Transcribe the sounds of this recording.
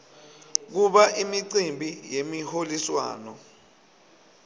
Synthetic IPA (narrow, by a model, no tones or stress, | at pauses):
k̬uɓaʔimiǀimbʱijemiholiswa̰ːnɔ